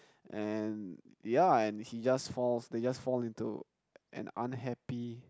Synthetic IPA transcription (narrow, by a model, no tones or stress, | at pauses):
ʔɛ̃n | jaɛ̃nhid͡ʒasfɔlsded͡ʒasfɔlĩntṵ | ʔɛ̰̃nã̰nɦɛpi